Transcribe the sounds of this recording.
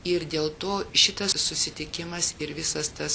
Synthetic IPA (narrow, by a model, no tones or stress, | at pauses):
ɪɾd̪ʲeːlˠt̪oːʃʲɪt̪ɐssʊsʲɪt̪ʲɪkʲɪmɐsɪɾʋʲɪsɐst̪ɐs